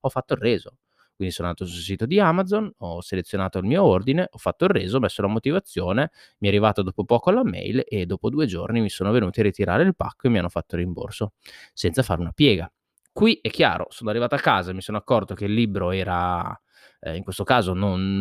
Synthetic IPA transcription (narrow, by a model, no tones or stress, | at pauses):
ɔfːat̪ːoirːɛːzo | kwind̪isoːnonaːt̪os̬ulsiːt̪od̪iamad̪zonɔselet̪sːjonaːt̪oilmiːoord̪ineʔɔfːat̪ːoirːeːzoɔmesːolamot̪ivat̪sːjoːne | miɛarːivaːt̪od̪oːpopɔːkoalamɛ̰jled̪ːoːpod̪uːed͡ʒo̰rnimisoːnovenuːt̪iarit̪iɾa̰ːɾeilpa̰kːoemːianːofat̪ːorːimbo̰rsosɛnt̪safaɾeunapjɛːɡa | kwiʔɛkːja̰ːɾʔo̰soːnoarːivaːt̪oakːaːzamisoːnoakːɔrt̪okeilːiːbɾoɛːɾa | iŋkwest̪okaːzonon